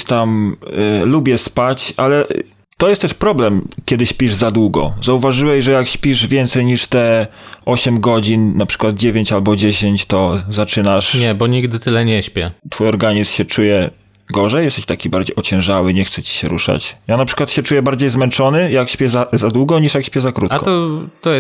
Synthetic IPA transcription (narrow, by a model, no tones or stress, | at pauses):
t̪am | lubʲjɛspat͡ɕalɛ | t̪ɔjɛst̪t̪ɛʂpɾɔblɛmkʲɛd̪ɘɕpʲiʐzad̪wuɡɔ̰zauvaʐɘwɛɕʐɛjakɕpʲiʐvʲjɛnt̪sɛjɲiʂt̪ɛʔɔɕɛmɡɔd͡ʑinnapʂɘ̥kwad̪̚d͡ʑevʲjeɲt͡ɕalbɔd͡ʑeɕeɲt͡ɕt̪ɔzat͡ʂɘnaʂɲɛbɔɲiɡd̪ɘt̪ɘlɛɲɛɕpʲɛt̪fujɔɾɡaɲismɕɛt͡ʂujɛ | ɡɔʐɛjɛst̪ɛɕt̪akʲibaɾd͡ʑejɔt͡ɕɛ̃w̃ʐawɘɲɛxt̪sɛt͡ɕi̥ɕɛ̰ɾṵʂa̰t͡ɕjanapʂɘ̥kwat̪ɕɛt͡ʂujɛbaɾd͡ʑejzmɛnt͡ʂɔnɘjakɕpʲjɛzazad̪wuɡɔɲiʂjakɕʲpʲjɛzakɾṵt̪kɔt̪ɔ